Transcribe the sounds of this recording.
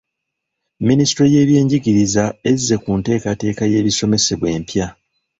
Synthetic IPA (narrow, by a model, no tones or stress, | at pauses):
ministɾo̞je̞ːβje̞ːɲɟiɡiɾizae̞zːe̞kunte̞ːkate̞ːkaje̞ːβiso̞me̞se̞βwe̞ːmpja